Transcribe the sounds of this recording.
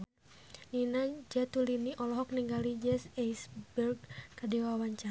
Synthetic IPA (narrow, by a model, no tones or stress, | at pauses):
ninad͡ʒat̪uliniʔɔlɔɦɔkniŋɡalid͡ʒɛsajsbɛrɡ̚kadɛwawaɲt͡ʃa